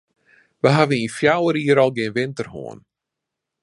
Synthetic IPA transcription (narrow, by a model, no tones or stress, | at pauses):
ʋəɦavəninfjawəɾiːəɾɔlˠɡɪənʋɪntərho̰ən